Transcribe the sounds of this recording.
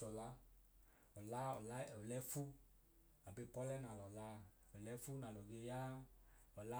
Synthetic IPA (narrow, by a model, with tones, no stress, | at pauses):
ɔ˨la˧˦ | ɔ˨la˦ɔ˨la˦ɔ˨lɛ˨˦fu˦ | a˨be˧pɔ˦lɛ˦nã˨lɔ˨la˧˦ | ɔ˨lɛ˧˦fu˦nã˨lɔ˨ɡe˧ja˦ɔ˨la˦